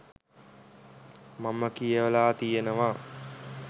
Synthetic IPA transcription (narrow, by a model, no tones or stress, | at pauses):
maməkijəʋəlaːt̪ijenəʋa